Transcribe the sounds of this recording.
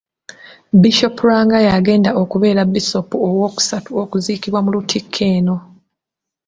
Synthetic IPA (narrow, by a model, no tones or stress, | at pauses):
biʃo̞pɾaːŋɡajaɡe̞ːndaʔokuβe̞ːɾabiso̞puowo̞ːku̥satuokuziːkiβwamulutʰikʰːe̞ːno̞